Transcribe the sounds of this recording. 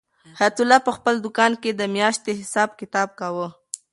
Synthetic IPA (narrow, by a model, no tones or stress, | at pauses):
hat̪ʊlːɑpəxpəld̪ʊkɑnked̪əmjɑʃt̪eɦɪsɑb̚kɪt̪ɑb̚kawə